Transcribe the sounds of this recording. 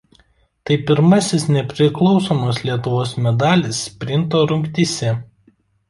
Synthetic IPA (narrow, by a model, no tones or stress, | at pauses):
t̪ɐɪpʲɪɾmɐsʲɪsnʲɛpʲɾʲɪklˠɒʊsoːmoːslʲiɛt̪ʊʋoːsmʲɛd̪ɑːlʲɪspʲɾʲɪnt̪oːɾʊŋʲkʲt̪ʲisʲɛ